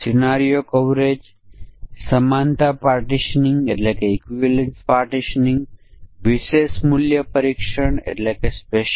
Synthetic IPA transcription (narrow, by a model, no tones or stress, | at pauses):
sinaːɾijokoʋɾeːd͡ʒ | sɐmaːnt̪apaːɾʈiʃniŋɡeʈlekeikʋiʋelenspaːɾʈiʃnĩŋɡʋiʃeːsmuljəpɐɾikʃəɳḛʈlekespeʃ